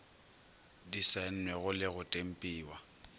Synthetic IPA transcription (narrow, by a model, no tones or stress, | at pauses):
disɛn̩nwɛɣʊlɪɣʊtʼem̩pʼiːwa